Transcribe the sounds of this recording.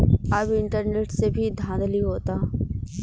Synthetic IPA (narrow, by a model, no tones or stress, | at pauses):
ɐbɪ̃ɳʈəɾneːʈsebʱid̪ʱãːnd̪əliɦoːt̪aː